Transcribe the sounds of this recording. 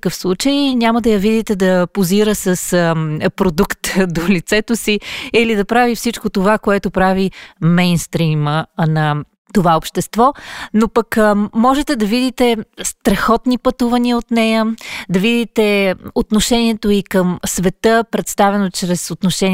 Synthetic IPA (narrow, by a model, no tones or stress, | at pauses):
kəfslˠut͡ʃəjnʲaməd̪ɐjɐvid̪it̪ɛd̪ɐpoziɾəsəspɾod̪ukt̪d̪olit̪sɛt̪osiilid̪ɐpɾavifsit͡ʃkot̪ovakoɛt̪opɾavimɛjnst̪ɾimənɐ | t̪ovaopʃt̪ɛst̪vɔnopəkmɔʒɛt̪ɛd̪ɐvid̪it̪ɛst̪ɾɐxɔt̪nipɐt̪uvəniəot̪nɛjəd̪ɐvid̪it̪ɛot̪noʃɛniɛt̪oikəmsvɛt̪ɤpɾɛt̪st̪avɛnot͡ʃɾɛsot̪noʃɛn